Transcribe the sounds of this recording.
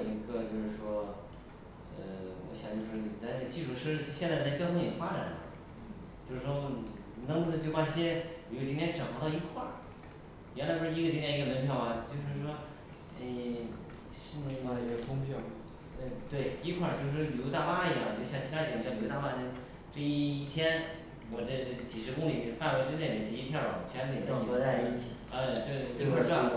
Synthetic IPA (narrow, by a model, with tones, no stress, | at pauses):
i˧˥ɡə˥˧t͡ɕjo˥˧ʊʂɻ̩˥˩ʂwɔ˥ | ə˧wɔ̰˧˥ɕjɑ˨˩ŋt͡ɕjo˥˧ʊʂɻ̩˥˩i˨˩t͡sa˥˧ɪnə˥˩ɡə˧t͡ɕi˥˧ʂu˥˩ʂ̩˥i˧˩ɕɛ˥ɕjɛ˥˧nt͡sa˥˧t͡sa˥ɪt͡ɕjɑ˥ʊt̪ʰŋniɛ˨˩ə˦fa˥ʈ͡ʂa˨˩nə̰˧˩ | t͡ɕjo˥˧ʂɻ̩˥˩ʂwɔ˥˨˩ | nə˥ŋt̪̩˥˧˩t͡ɕo˥˧ʊpa˥˩i˧˥˩ɕjɛ˥˨˩o˥˩t͡ɕi˥ŋt̪ʰjɛ˥nʈ͡ʂŋxo˧˥t̪ɑ˥˧i˧˥kʰwa˥˩ | jɛ˧˥nla˧˥ɪpu˥˩ʂɻ̩˥˧˥ɡə˧t͡ɕi˥ŋʰjɛ˥˧i˧˥ɡə˧mə˧˥npʰjɑ˧˥ʊa˧t͡ɕjo˥˧ʊʂ̬ɻ̩˥˩ʂwɔ˥ | e˥˩ | ɕi˥˧˥ɑ˥˩i˧˥ɡə˧˩kʰʊ˥ŋpʰjɑ˥˩ʊ | ə˥˩t̪we˥˩ɪi˥kʰwa˥˩t͡ɕo˥˧ʊʂɻ̩˥˩ljo˧˥t̪a˥˩pa˥i˧jɑ˥˩˨ɕjɑ˥˩ŋt͡ɕʰi˥t̪ʰa˥i˨˧˩ljo˧˥t̪a˥˧pa˥˩ɛ˥ | ʈ͡ʂɤ˥˧i˥˩˧t̪ʰjɛ˥n | wɔ˨˩ʈ͡ʂə˥˧˥t͡ɕi˨˩ʂɻ̩˧˥kʊ˥ŋli˨˩fa˥˩nwe˧˥ɪʈ͡ʂ̩˥nt̪jɛ˥˩ɛ˧˥˩ʈ͡ʂɤ˥˧i˥pʰjɑ˥˩ʊ̰˨˩wɔ̰˨˩t͡ɕʰɥɛ˧˥n˥j̪a˥˧i˥˩t͡ɕʰi˨˩ | ə˥˧t͡ɕlkʰwa˥˩˥a˥˩˧